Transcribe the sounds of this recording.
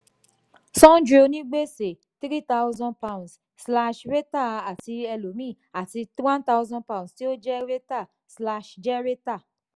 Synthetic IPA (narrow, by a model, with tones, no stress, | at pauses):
sɔ̃˦n˦d͡ʒɾe˧o˧nĩ˦ɡ͡be˦se˨ | tɾi˦ta˦ʊ˦zɔ̃˧npa˧ũ˨sːla˦ʃɾe˦ta˦˨a˨ti˧ɛ˧lo˨mĩ˦˨ | a˨ti˧twã˦nta˦wzɔ̃˦npa˧˨ũ˨sti˦o˦d͡ʒɛ˦ɾe˦ta˦˨ | sla˧ʃd͡ʒɛ˦ɾe˦ta˦˨